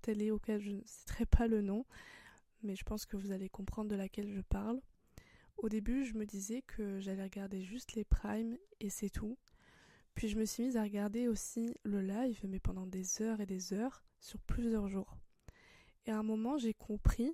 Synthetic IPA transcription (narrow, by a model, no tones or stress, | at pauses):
t̪ɛlɛokʲɛlʒənəsi̥t̪χɛpalənɔ̃ | mɛʒəpɑ̃skəvuzalekɔ̃pχɑ̃d̪ʁd̪əlakʲɛlʒəpaʁl | od̪ebyʒəməd̪izɛkʰəʒalɛʁəɡaʁd̪eʒyst̪lepχajmesɛt̪ʰu | pɥiʒəməsɥimizaʁəɡaʁd̪eosiləlajvmɛpɑ̃d̪ɑ̃d̪ezœʁed̪ezœʁsyʁplyzjœʁʒuːʁ | eɛ̃mɔmɑ̃ʒekʰɔ̃pχi